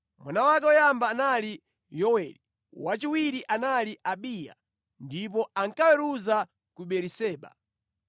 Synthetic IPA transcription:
mwanawakɛɔjambaːnali | jɔwɛli | wat͡ʃiwiɾiʔanaliʔaɓija̰ | ndip̬ɔaŋkawɛɾuza | kuɓɛɾisɛːɓa̰

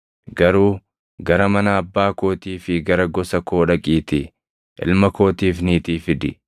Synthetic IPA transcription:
ɡɐɾuː | ɡɐɾɐmɐnɐɐbːaːko̞ːt̪iːfɪɡɐɾɐɡɔsɐko̞ːᶑɐkʼiːt̪ɪ | ʔɪ̰lmɐko̞ːt̪iːfniːt̪iːfɪd̪ɪ

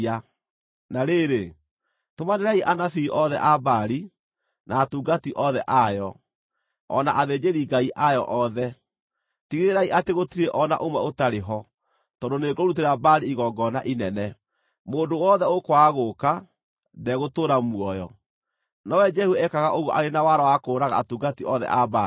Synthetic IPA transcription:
a | naɾeɾe | tomaneɾaiʔanafiːʔɔðɛ̰ʔabaɾi | naːtuːɡatiʔɔðɛʔajɔ | ɔ̰naʔaðeːd͡ʒeɾiɡaiʔajɔ̰ʔɔðɛ | tiɣeeɾaiʔateɣotiɾeʔɔna̰ʔomwɛotaɾeɦɔ | tɔndoneːɡoɾut̬eɾabaɾiiɣɔɡɔnaʔinɛnɛ | moːndowɔðɛokwaɣoka | ndɛɣotoːɾamwɔjɔ | nɔwɛd͡ʒɛhuɛkaɣaʔoɣuʔaɾenawaɾawakoːɾaɣa̰ːtuːɡatiɔðɛ̰ʔabai

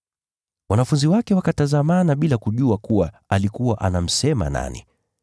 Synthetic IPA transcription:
wanafunziwakɛwakatazamanaɓilakuʄuakuwa | alikuwaʔanam̩sɛma̰na̰nḭ

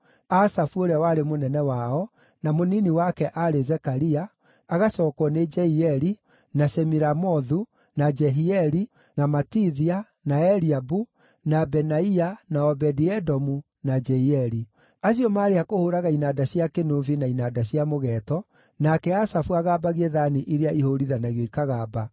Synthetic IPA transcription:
asafuoɾeawaɾemonɛnɛwaɔ | namoniniwakɛʔaɾezɛkaɾiaː | ɣasɔːkwɔned͡ʒɛiɛɾi | naɕɛmiɾamɔðu | nad͡ʒɛɦiɛɾi | namatiðia | naɛɾiabu | nabɛnaianaɔbɛdiɛdɔmu | nad͡ʒɛiɛɾi | aɕ̬iɔmaːɾeakohoɾaɣainadaɕjakenovinainadaɕiamoɣɛtɔ | nakɛasafuaɣaːbaɣeðaniʔiɾeaʔihoɾiðanaɣjɔikaɣaba

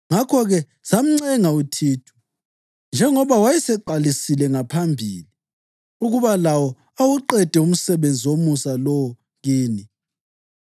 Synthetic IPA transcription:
ŋakʰɔɣɛ | sam̩ŋ͡ǀɛŋautʰiːtʰu̥ | nd͡ʒʱɛŋɔβawajɛsɛǃalisilɛŋapʰambʱili | uɣuβalawɔ | awuǃɛd̥ʱɛum̩sɛβend͡zʱiwomusalɔwɔ | ɣiːni

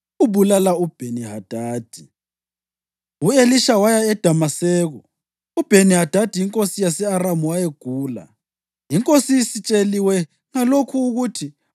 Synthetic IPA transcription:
uβulalaub̥ʱeniɦad̥ʱaːd̥ʱi | ueliʃawajaɛd̥ʱamasɛːɣɔ | ub̥ʱeniɦad̥ʱad̥ʱijiŋkʼosijasɛaɾamuwajeɡ̥ʱuːla̰ | iŋkʼosisit͡ʃʼeliwɛ | ŋalokʰuːɣutʰi

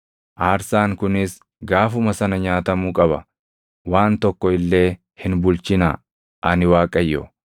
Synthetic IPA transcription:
ʔaːɾsaːŋkʊnɪs | ɡaːfʊmɐsɐnɐɲaːt̪ɐmuːkʼɐbɐ̰ | waːnt̪ɔkːɔɪlːe̞ː | hɪnbʊlt͡ʃɪna̰ː | ʔɐnɪwaːkʼɐjːɔ̰

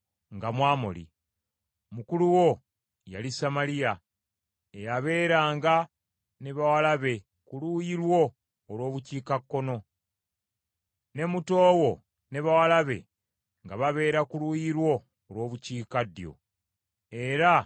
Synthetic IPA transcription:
ŋɡamwaːmo̰lḭ | mukuluwo̞ | ja̰lisamalija | ejaβe̞ːɾaːŋɡa | ne̞βawalaβe̞ | kulujiɾwo̞ː | lwo̞ːβuciːkakːo̞no̞ | ne̞mutoːwo̞ | ne̞βawalaβe̞̰ | ŋɡaβaβe̞ːɾakulujiɾwo̞ː | lwo̞ːβuciːkadːjo̞̰ | e̞ɾa

